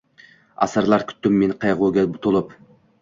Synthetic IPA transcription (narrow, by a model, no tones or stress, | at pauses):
ɑ̰sɨɾlˠɑɾkʲʰy̥t̪ːymːenqʰɑjʁuɡʲɛbʊt̪ʰʊlˠup